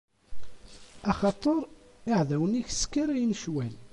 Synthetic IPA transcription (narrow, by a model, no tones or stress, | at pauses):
ɑχɑt̪ˤəɾˤ | ɪʕðæwəniçskːiɾæjnʃwæl